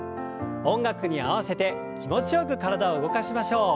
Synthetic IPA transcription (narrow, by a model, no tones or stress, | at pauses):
õ̞ŋɡakɯ̟ɲ̟ia̰β̞ase̞t̪e̞ | kʲimo̞t͡ɕijo̞kɯ̟kaɾad̪aoɯɡo̞kaɕimaɕo̞ː